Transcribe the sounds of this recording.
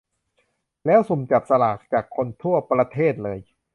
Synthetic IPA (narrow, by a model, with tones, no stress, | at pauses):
lɛː˦˥wsu˨˩mt͡ɕa˨˩p̚sa˧laː˨˩k̚t͡ɕaː˨˩kʰːo˧nt̪ʰu˥˩ɐpɾa˧t̪ʰeː˥˩t̪̚lɤː˧j